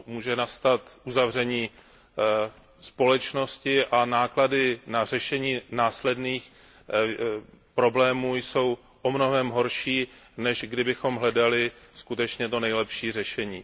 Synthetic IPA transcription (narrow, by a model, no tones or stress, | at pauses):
muːʒɛnast̪at̪ʔuzavr̝ɛɲiː | spo̞lɛt͡ʃno̞scɪʔanaːkladɪnarɛʃɛɲiːnaːslɛdniːx | pɾo̞blɛːmuːjso̞w | ʔomno̞ɦɛmɦo̞ɾʃiːnɛʒɡdɪbɪxo̞mɦlɛdalɪskut̪ɛt͡ʃɲɛt̪o̞nɛjlɛpʃiːr̝ɛʃɛɲiː